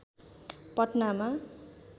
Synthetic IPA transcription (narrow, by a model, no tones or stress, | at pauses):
pʌʈnama